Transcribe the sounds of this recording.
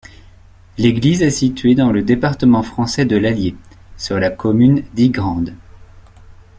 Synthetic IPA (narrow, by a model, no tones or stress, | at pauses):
leɡlizɛsit̪ɥed̪ɑ̃ləd̪epaʁt̪əmɑ̃fχɑ̃sɛd̪əlalje | syʁlakɔmynd̪iɡʁɑ̃d̪